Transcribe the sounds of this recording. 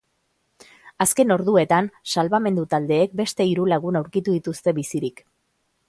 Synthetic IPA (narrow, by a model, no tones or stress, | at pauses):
aske̞no̞ɾðue̞t̪ansalβame̞nd̪ut̪ald̪e̞ːk̚be̞st̪e̞iɾulaɣ̞unawɾkit̪uðit̪ust̪e̞βisiɾik